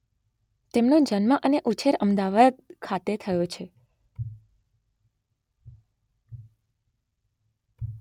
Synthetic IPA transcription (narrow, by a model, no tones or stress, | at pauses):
t̪emnõd͡ʒənməʔəneʔut͡ʃʰeɾəmd̪aʋad̪kʰat̪et̪ʰəjot͡ʃʰe